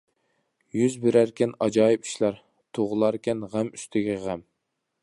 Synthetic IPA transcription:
jyzbɪɾæɾkʲʰɛnɑd͡ʒɑːjipʰi̥ʃlˠɑɾ | t̪ʰoʁʊlˠɑɾkʲɛnʁæmy̥st̪ʰɪɡʲɛʁæm

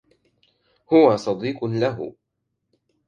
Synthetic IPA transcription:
hʊwasˤɑd̪iːqlaɦʊ̰

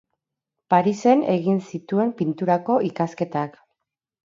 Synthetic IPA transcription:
paɾise̞ne̞ɣinsit̪ue̞mpint̪uɾako̞ikaske̞t̪ak

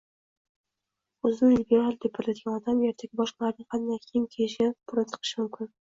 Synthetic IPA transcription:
ɵzɪnɪlibʲeɾalˠd̪epʰːat̪lad̪ɪɡʲanɒd̪ameɾt̪ʰakʲɪbɒʃqlˠaɾnɪŋhat̪ɪnakʲʰemkʲʰejɪʃɡʲapʰʊɾant͡ʃʰɨ̥qʰɨ̥ʃɪmʊmkʲɪn

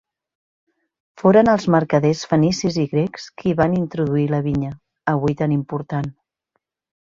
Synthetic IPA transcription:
foɾənəlˠzməɾkəðesfənisiziɣɾekskʰiβanint̪ɾuðuiləβiɲə | əβujt̪animpuɾt̪an

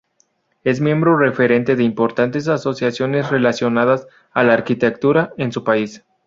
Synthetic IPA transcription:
e̞zmjembɾo̞re̞fe̞ɾe̞nt̪e̞ðe̞impo̞ɾt̪ant̪e̞s̬aso̞sjasjo̞ne̞sre̞lasjo̞nað̞as | alaːɾkit̪e̞k̚t̪uɾaensupais

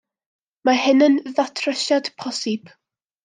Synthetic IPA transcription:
mahɪnənðatʰrəʃad̥pʰɔsɪb̥

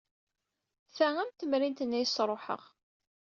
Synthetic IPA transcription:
θææmt̪əmɾint̪ənːæjsɾˤoħə̰ʁ

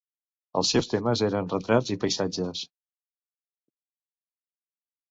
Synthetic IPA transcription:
ə̰lˠsewst̪eməzeɾənrət̪ɾad͡zipəjsad͡ʒəs

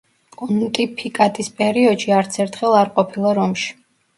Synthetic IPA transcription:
kʼunt̪ʼipʰikʼat̪ʼispʼɛɾiɔd̪ʃiaɾt̪sʰɛɾt̪ʰχɛlˠaɾqʼɔpʰilˠaɾɔmʃi̥

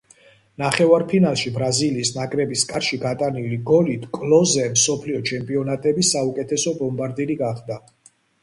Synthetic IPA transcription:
naχɛvaɾpʰinalˠʃibɾaziliːsnakʼɾɛbiskʼaɾʃiɡat̪ʼaniliɡɔlit̪ʰkʼlɔzɛmsɔpʰliɔt͡ʃʰɛmpʼiɔnat̪ʼɛbisːaukʼɛt̪ʰɛsɔbɔmbaɾd̪iliɡaχd̪a

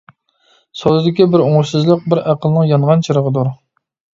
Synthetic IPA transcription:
sod̪ɨd̪ɪkʲibɪɾoŋɾsɨzlˠəq̚bɪɾæqʰəlˠnəŋjɑnʁɑnt͡ʃʰɨɾəʁəd̪uɾ

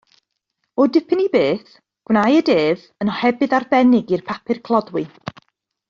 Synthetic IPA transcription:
ɔdɪpʰɪnibeːθ | ɡ̥wnajədeːv | ənɔhɛbɨðarbɛnɪɡirpʰapʰɨrkʰlˠɔdwɪ

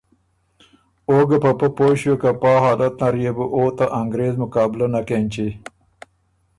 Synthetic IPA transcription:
oːɡɐpɐpɐpoːɕekapɑːɦɑːlɐt̪̚naɾjebəʔot̪aʔaŋɡɾeːzmʊkɑːbɪlanakeːnt͡ʃi

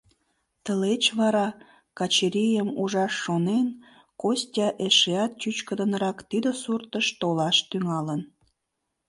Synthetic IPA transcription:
t̪əlet͡ɕβɑɾɑ | kɑt͡ɕeɾʲijəmuʒɑʃːonen | kosʲtʲɑʔeʃeɑt̪̚t͡ɕyt͡ɕkəd̪ənɾɑkt̪id̪əsurt̪əʃt̪olɑʃt̪yŋɑlən

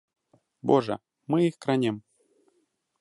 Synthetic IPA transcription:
boʐɤ̰ | mɨixkɾanʲem

